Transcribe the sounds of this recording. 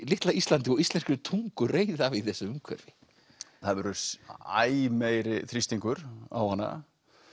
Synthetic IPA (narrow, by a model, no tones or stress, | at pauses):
lɪht̪laist̪lant̪ɪɔɣist̪ɛnskʏɾɪt̪ʰuŋkʏreːjðavɪðθɛsːʏmʏmkʰvɛ̰ɾvɪ | θaðvɛɾʏa̰jmejɾɪθɾist̪iŋkʏɾa̰whanːa̰